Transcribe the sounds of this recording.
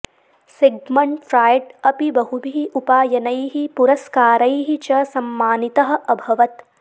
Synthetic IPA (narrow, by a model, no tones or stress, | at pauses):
seɡmɐɳʈfɾaːjʈɐpibɐɦubʱiiʔupaːjɐnɐjɦipuɾɐskaːɾɐjɦit͡ʃɐsɐmːaːnit̪ɐɦɐ̆ʔɐbʱɐʋɐt̪